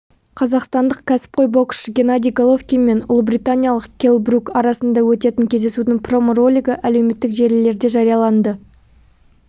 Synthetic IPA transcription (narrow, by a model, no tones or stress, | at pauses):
qʰɑzɑqst̪ɑnd̪əqkʲʰæsɪ̥p̚qʰo̞jbo̞kʃɡʲe̞nad̪ʲijɡolˠo̞fkʲijme̞nʊlˠəbrʲit̪anʲijɑlˠəqkʲʰe̞lˠbrukɑɾɑsənd̪ɑwɵt̪e̞t̪ɪŋkʲʰe̞zd̪e̞sud̪ɪŋpro̞moro̞lʲijɡəʔæle̞wme̞t̪ːɪkʒe̞ɾlle̞ɾd̪e̞ʒɑɾijɑlˠɑnd̪ə